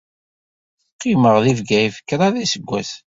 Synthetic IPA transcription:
θqːiməʁðivɡæifə̥kːɾˤaðisəɡʷːæθ

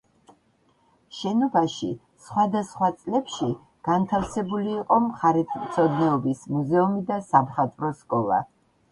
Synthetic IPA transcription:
ʃɛnɔbaʃi | sχwad̪asχwat̪sʼlɛpʃi | ɡ̥ant̪ʰafsɛbuliːqʼɔmχaɾɛt̪ʰmt̪sʰɔd̪nɛɔbismuzɛumid̪asabχat̪ʼvɾɔskʼɔlˠa̰

